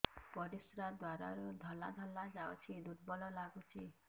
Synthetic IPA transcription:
pɔɾisɾad̪waɾa̰ɾud̪ʱɔla̰d̪ʱɔlːad͡ʒaot͡ʃʰid̪uʈbɔlɔlaɡut͡ʃʰi

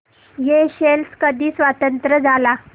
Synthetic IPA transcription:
jeɕelskəd̪ʱiːsʋat̪ənt̪ɾəd͡zʱala

